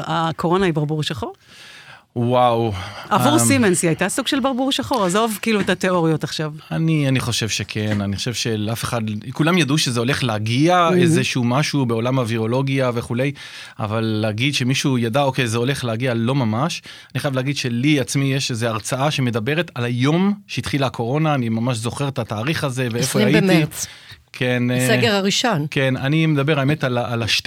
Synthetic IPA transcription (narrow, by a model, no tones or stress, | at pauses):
akoʁo̞naibaʁbuʁʃaχo̞ʁ | wawavuʁsimensiajt̪asuɡ̥ʃelbaʁbuʁʃaχo̞ʁazoovkiiːluet̪ateo̞ʁijo̞t̪aχʃavanianiχo̞ʃevʃe̞kʰe̞naniχoʃevʃe̞leafe̞̥χad̪kulamjaduʃe̞zeo̞le̞χleaɡiaezeʃumaʃubeo̞lamaviʁo̞lo̞ɡiave̞χule̞j | a̰valːeːɡid̪ʃemiʃujad̪ao̞ke̞jzeo̞le̞χleaɡialo̞mamaʃ | aniχajavleaɡid̪ʃe̞liat͡smijeʃezeaʁt͡saaʃe̞me̞d̪abe̞ʁet̪alajo̞mʃeit̪χilakʰo̞ʁo̞naːnimamaʃzo̞χeʁet̪at̪aːʁiχaze̞veeffojaemit͡s | kʰenseɡeʁaʁiʃonkenanime̞d̪abe̞ʁaeme̞t̪alaːlaʃt